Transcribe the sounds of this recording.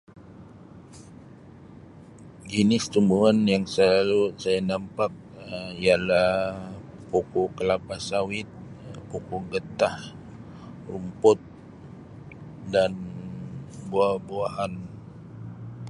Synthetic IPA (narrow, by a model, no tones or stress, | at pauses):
d͡ʒinɪst̪umbuanjaŋsəlalusajanampak̚ialah | pokɔkəlapasawɪt̪̚ | pokoɡət̪ah | rumpʊt̪̚ | dan | buabuahan